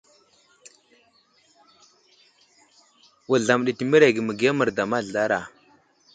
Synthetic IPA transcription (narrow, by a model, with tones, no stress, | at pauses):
wu˨ɮa˨m˨ɗi˨ti˨mə˦ɾe˨ɡə˨mə˨ɡi˨a˦mə˨ɾda˨ma˦˨ɮa˦ɾa˨